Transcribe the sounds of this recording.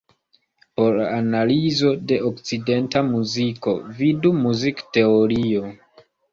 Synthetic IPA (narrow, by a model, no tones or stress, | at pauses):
po̞ɾanalizo̞de̞ʔokt͡side̞ntamuziko̞̰vidumuzikte̞oɾio̞